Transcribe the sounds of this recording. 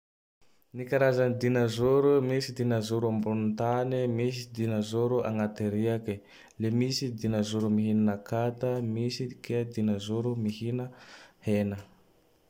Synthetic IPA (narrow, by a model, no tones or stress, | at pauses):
nikaɾazanid̪inazuɾumisid̪inazuɾuambununt̪animis̬id̪inazuɾuʔa̰ŋat̪eɾiaki | lemisid̪inazuɾumiɦinanakat̪əmisikʰeəd̪inazuɾumihinəhenə